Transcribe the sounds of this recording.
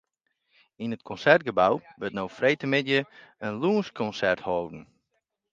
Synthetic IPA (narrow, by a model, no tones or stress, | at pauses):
inətkʰɔnsɛrt̚ɡəbawbøtnowfrejtəmɪtjəənluənskʰɔnsɛrthoːdn̩